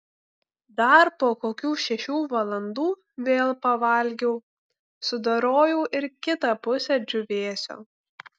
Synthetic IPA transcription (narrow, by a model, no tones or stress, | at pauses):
d̪ɐɾpoːkoːkʲuːʃʲɛʃʲuːʋɐlˠɐnd̪uː | ʋʲeːlˠpɐʋɐˑlʲɡʲɛʊ | sʊd̪ɐɾoːjuːʔɪɾkʲɪt̪ɐpʊsʲɛd͡ʒʲʊʋʲeːsʲo̰ː